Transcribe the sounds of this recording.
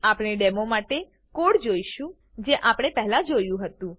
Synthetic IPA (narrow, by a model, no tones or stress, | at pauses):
apɽ̃eɖemomaʈe | koɽd͡ʒoiʃũ | d͡ʒeʔapɽ̃epɛɦlãd͡ʒojũɦət̪ũ